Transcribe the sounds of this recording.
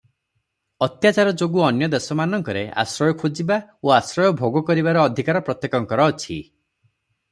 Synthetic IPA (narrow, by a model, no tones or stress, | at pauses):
ɔt̪jat͡ʃaɾɔd͡ʒoɡuɔnjɔd̪esɔmanɔŋkɔɾea̰sɾɔjɔkʰod͡ʒibaoasɾɔjɔbʱoɡɔkɔɾibaɾɔːd̪ʱikaɾɔpɾɔt̪jekɔŋkɔɾɔːt͡ʃʰi